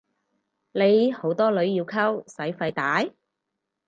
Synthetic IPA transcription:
le˨˧jho˨˥wt̪ɔː˥lɵ˨˧ɥjiː˧wkʰɐ˥wsɐ˨˥jfɐ˧jt̪aː˨˥j

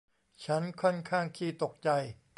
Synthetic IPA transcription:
t͡ɕʰa˦˥nkʰɔ˥˩nkʰaː˥˩ŋkʰiː˧˩t̪o˨˩k̚t͡ɕa˧j

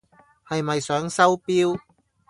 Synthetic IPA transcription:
hɐ˨jmɐ˨jsœː˨˥ŋsɐ˥wpiː˥w

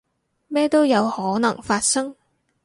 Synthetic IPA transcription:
mɛː˥t̪o˥wjɐ˨˧whɔː˨˥nɐ˨˩ŋfaː˧t̚sɐ˥ŋ

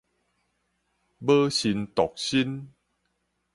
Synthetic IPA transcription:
bə˦ɕi˧nt̪ɔ˨k̚ɕi˦n

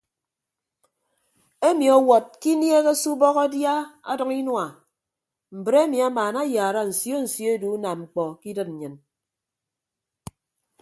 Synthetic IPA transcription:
e˦mi˨ɔ˨wɔ˨t̚ki˦nje˦ɣe˦su˦bɔ˦ɣa˦dja˦a̰˦dʌ˦ŋi˦nwa˨ | m̩˨bɾe˦mi˨a˦maː˨na˦jaː˨ɾa˦n̩˨sjo˦n̩˨sjo˦du˨˦na˨m̚ŋ͡m̩˨k͡pɔ˨ki˦dɨ˦t̚n̩˨ɲɨ˨n

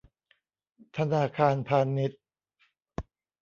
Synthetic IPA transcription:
t̪ʰa˧naː˧kʰaː˧npʰaː˧nːi˦˥t̪̚

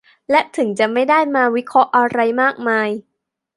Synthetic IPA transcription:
lɛ˦˥t̪ʰɯ˨˩˦ŋt͡ɕa˨˩ma˥˩jdaː˥˩jmaː˧wi˦˥kʰɾɔ˦˥ʔa˧ɾa˧jmaː˥˩k̚maː˧j

